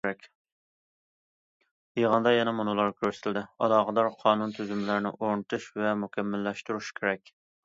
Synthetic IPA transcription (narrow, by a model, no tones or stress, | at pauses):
ɾɛkʲ | jeʁənd̪ɑjɛnɛmonulˠɑɾkʲʰøɾst̪ʰɪld̪ɪɑ̰lˠɑːqəd̪ɑɾqʰɑːnunt̪ʰyzymlæɾnɪ̰ʔoɾnɨt̪ʰuʃvɛmukʲʰɛmːɪlːɛʃt̪uɾuʃkʲʰeɾɛkʲ